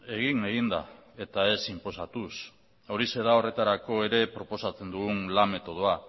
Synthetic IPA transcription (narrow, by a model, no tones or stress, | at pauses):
e̞ɣ̞iŋeɣind̪a̰e̞t̪ae̞simpo̞sat̪us | oɾise̞ðao̞re̞t̪aɾako̞e̞ɾe̞pɾo̞po̞sat͡se̞nd̪uɣunlame̞t̪o̞ð̞oa